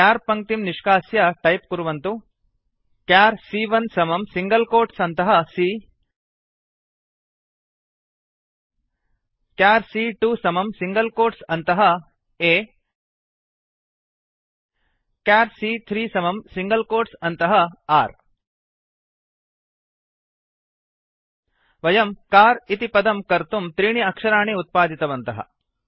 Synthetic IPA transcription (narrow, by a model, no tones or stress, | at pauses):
kaːɾpɐŋ̚t̪imniʂkaːsjɐʈɐjp̚kuɾuʋɐnt̪u | kaːɾsiːʋɐnsɐmɐmsiŋɡɐlkoːʈsɐnt̪ɐɦɐsiː | kjaːɾsiːʈuːsɐmɐmsiŋɡɐlkoːʈsɐnt̪ɐɦɐ | eː | kaːɾsiːt̪ʰɾiːsɐmɐmsiŋɡɐlkoːɾʈsɐnt̪ɐɦɐaːɾ | ʋɐjɐmkaːɾit̪ipɐd̪ɐmkɐɾt̪umt̪ɾiːɳiɐkʂɐɾaːɳeːut̪̚paːd̪ʱit̪ɐʋɐnt̪ɐɦɐ̰